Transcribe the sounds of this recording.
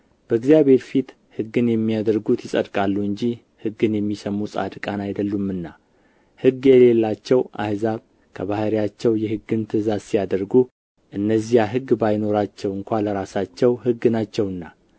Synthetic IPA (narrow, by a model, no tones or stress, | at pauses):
b̥əɡzjaβhe̞ɾfit̪ | hɨɡːɨnjɛmːijad̪əɾɡut̪ʰjɪsʼə̰d̪kʼalːuɨɲd͡ʒi | hɨɡɨnjɛmːisəmusʼa̰d̪kʼanajd̪əlːumːɨnːa | hɨɡːjɛle̞lːat͡ʃːɛwa̰hzaβ | kʰəβahɾijat͡ʃːɛwjɛhɨɡːɨnt̪ʰɨzazsijad̪əɾɡu | ʔɨnːəzijaɦɨɡːbajno̞ɾat͡ʃːɛwɨŋkʷaləɾasat͡ʃːɛwhɨɡːɨnat͡ʃːɛwɨnːa